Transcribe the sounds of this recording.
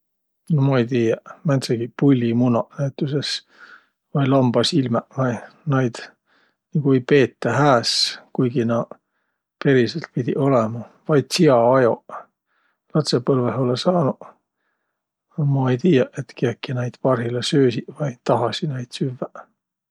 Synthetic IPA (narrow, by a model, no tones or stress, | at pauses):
nomɑejt̪iːjɑmænt̪seɡ̥ipulʲːimunɑnæjt̪ːˑuses | vɑjlɑmb̥ɑsilmɛvɑnɑjd̪̥ | niɡ̥uejpe̞ːt̪ːɑɦæːskujɡinɑ | pe̞ɾiselt̪̚pid̪̥ʲiʔo̞lɛmɑ | vɑjd̪̥siɑɑjo | lɑt̪sepɤlveɦolesɑːnu | ɑmɑejt̪iːjɑʔe̞t̪keekːinæjd̪̥pɑrɦilesøːsivɑjt̪ɑɦɑsinɑjd̪̥syvːæ